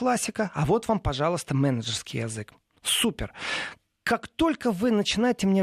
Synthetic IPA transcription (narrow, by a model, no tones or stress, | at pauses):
lˠasʲːɪkəavo̞t̪vampɐʐɑlˠəst̪əmɛnəʐərskʲɪjɛzɨk | supʲɪr | kakt̪o̞lʲkəvɨnət͡ɕɪnajɪtʲɪmnʲe